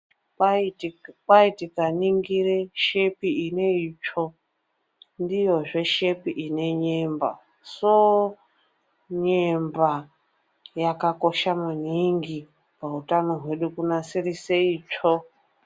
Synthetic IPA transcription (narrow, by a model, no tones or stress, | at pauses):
paitikaniŋɡiɾeʃepiineit͡ʃʰo | ndijoʐeʃepiʔineɲemba̰ | so | ɲemba | jakakoʃamaniŋɡi | pautanoɦweɗukunasiɾiseiːt͡ʃʰo